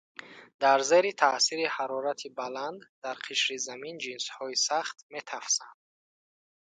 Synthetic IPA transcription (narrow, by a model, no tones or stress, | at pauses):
d̪aɾze̞ɾit̪ʰasiɾihaɾɔɾat̪ʰibaland̪d̪aɾqʰiʃɾizamind͡ʒinshɔisaχt̪me̞t̪ʰafsand̪̥